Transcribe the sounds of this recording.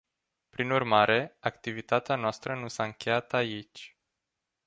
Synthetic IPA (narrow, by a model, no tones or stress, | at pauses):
pɾinurmaɾʔe̞akt̪ivit̪at̪eanoast̪ɾənusaɨŋkʲe̞jat̪ait͡ʃʲ